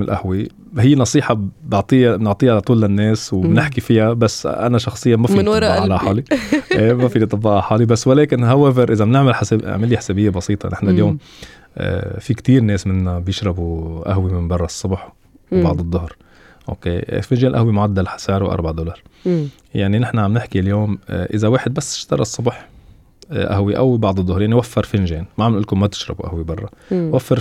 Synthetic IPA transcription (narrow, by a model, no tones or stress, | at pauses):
ɪlʔa̰hwi | hɪjːnɑsˤiːħɑbɪʕt̪ˤiːnɪʕt̪ˤiːʕalat̪ˤuːlːɪnːeːswbnɪħkifɪjabasʔa̰naʃɑxsˤɨjːamafiɑʔlɑħɑːliʔeːmafiːlit̪ˤɑbːɑʔɑħɑːlibasːwaleːkɪnhawevɪɾʔɪzamnɪʕmalħasɪ̰ʕmɪlːiħasabɪjːabɑsiːt̪ˤɑ̰nɪħnaljoːm | ʔfikt̪iːɾneːsmɪnːabjɪʃɾˤɑbuʔa̰ɦwimɪmbɑrˤːɑsˤːʊbħ | bɑʕd̪ˤɨd̪ˤːʊhɾ | ʔo̰ːkeːfɪnʒeːnlʔahwimʊʕad̪ːalħḁsaːʕɾuwʔɑ̰ɾˤbaʕd̪oːlɑːɾˤ | jaʕninɪħnaʕamnɪħkiljoːmʔɪzaweːħɪd̪̚basːɪ̥ʃt̪ɑɾˤɑsˤːʊbħ | ʔa̰hwiʔa̰wbɑʕd̪ˤɨd̪ˤːʊhɾjaʕniwafːɑɾˤfɪnʒeːnmaʕamnʔʊlkʊmmat̪ɪ̥ʃɾˤɑbuʔa̰hwibɑrˤːɑwafːɪɾ